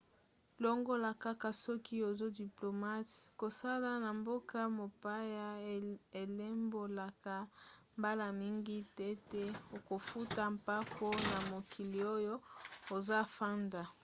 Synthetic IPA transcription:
lo˦ŋɡo˦la˨ka˦ka˨sɔ˦ki˦o˨zo˦di˨plo˨ma˦tko˨sa˦la˦na˨mbo˦ka˦mo˨pa˦ja˦e˨le˦mbo˨la˨ka˨mba˦la˨mi˦ŋɡi˦tɛ˦tɛ˦o˨ko˨fu˦ta˨mpa˦ko˦na˨mo˨kʰi˨li˨o˦jo˦o˨za˦fa˦nda˨

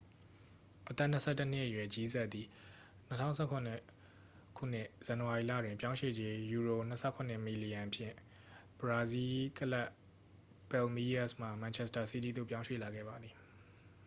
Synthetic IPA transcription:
ʔət̪ɛ˦˨n̥ə˦sʰɛ˦˨tːə˦n̥ɪ˦ʔəjwɛ˨ʔt͡ɕi˦zɛ˦ʔ̪ːi˨ | n̥ə˦tʰã̰˦˨ʊ̃sʰɛ˦˨kʰʊ̃˨n˦ | kʰṵ˦˨n̥ɪ˦˨ʔz̥ã˨nəwa˨i˨la̰˦˨dwɪ̃˨pjã˦ʊ̃ʃwḛ˦˨d͡ʑe˦ju˨ɹo˨n̥ə˦sʰɛ˦˨kʰʊ̃˨n̥ɪ˦˨mi˨li˨jã˨ʔpʰjɪ̰̃˦˨ | b̥əɹa˦zi˦kəla˦ʔ | pɛ˨lmi˦a˦sm̥a˨mã˨t͡ɕʰɛ˦sta˨si˦ti˦d̪o̰˦˨pjã˦ʊ̃ʃwḛ˦˨la˨ɡɛ̰˦˨ba˨d̪ði˨

